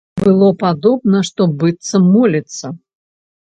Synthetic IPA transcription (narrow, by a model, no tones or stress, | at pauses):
bɨlˠɔpad̪ɔbnɐʂt̪ɔbɨt̪sːɐːɔlʲɐt̪sːɐ